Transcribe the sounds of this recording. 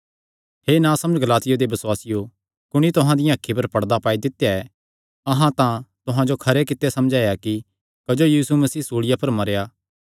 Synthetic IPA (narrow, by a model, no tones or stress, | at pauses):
heːnãsɐ̃məd͡ʒɡɐlaːt̪ɪjod̪ebɐswaːsɪjo | kʊɽ̃it̪ʊɦãd̪ɪjãɐkʰːip̬ɐɾpɐɽd̪apaːid̪ɪt̪ːejaɛ | ɐɦãt̪ãt̪ʊɦãd͡ʒokʰɐɾekɪt̪ːesɐmd͡ʒaːjaki | kɐd͡ʒojiːsumɐsiːsoːɽɪjapɐɾmɐɾjaː